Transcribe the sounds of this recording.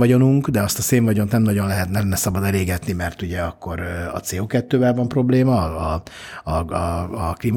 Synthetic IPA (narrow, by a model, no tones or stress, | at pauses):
ɒɟo̞nuŋkd̪ɛɒst̪ɒseːɱvɒɟo̞nt̪nɛmnɒɟo̞nlɛɦɛt̪nɛnɛsɒbɒd̪ɛleːɡɛt̪nimɛrt̪uɟɛɒkːo̞ɾɒ̰t̪seːoːkɛt̪ːøːvɛlvɒmpro̞bleːmɒː | klim